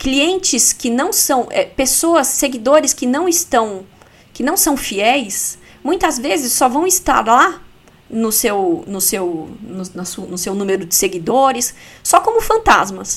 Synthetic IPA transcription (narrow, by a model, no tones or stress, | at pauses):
kliẽnt͡ʃɪskɪnɐ̃w̃sɐ̃w̃ʔɛpesoɐsːeɡid̪oɾɪskɪnɐ̃w̃ɪst̪ɐ̃w̃ | kɪnɐ̃w̃sɐ̃w̃fiɛjs | mũj̃t̪ɐzvezɪsːɔvɐ̃w̃ɪst̪a̰ɾla | nʊsewnʊsewnʊnɐsunʊsewnũmeɾʊd͡ʒɪseɡid̪oɾɪsːɔkõmʊfɐ̃nt̪a̰zmɐs